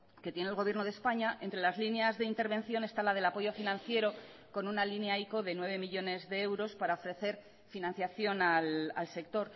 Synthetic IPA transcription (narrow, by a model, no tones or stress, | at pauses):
ke̞t̪je̞nelɣo̞βje̞ɾno̞ð̞e̞spaɲaʔe̞nt̪ɾe̞lazlinjazðe̞int̪e̞ɾβẽ̞nθjo̞ne̞st̪alaðe̞lapo̞ʝo̞finãn̟θje̞ɾo̞ | ko̞nunalinjajko̞ðe̞nwe̞βe̞miʎo̞ne̞zðe̞ewɾo̞spaɾaofɾe̞θe̞ɾ | finãn̟θjaθjo̞nala̰lse̞k̚t̪o̞ɾ